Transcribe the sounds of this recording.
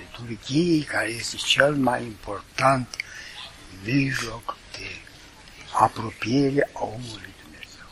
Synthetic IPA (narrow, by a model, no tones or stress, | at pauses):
t̪urɡiekaɾejjest̪et͡ʃelmajimport̪ant̪ | viʒlokd̪̥e | apɾopieɾeaomulujd̪umneazew